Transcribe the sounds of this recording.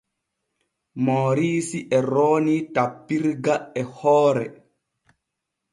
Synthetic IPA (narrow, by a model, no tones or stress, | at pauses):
moːɾiːsiʔɛɾoːnitapːiɾɡaɛhɔːɾɛ